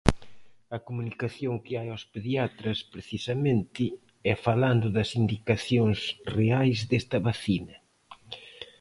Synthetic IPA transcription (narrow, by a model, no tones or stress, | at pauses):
ɐkomunikaθjoŋkɪajospeðiat̪ɾɐspɾeθisɐmẽnt̪ɪ | ɛfaland̪ʊðɐsind̪ikaθjoŋzreajzd̪est̪ɐβaθinɐ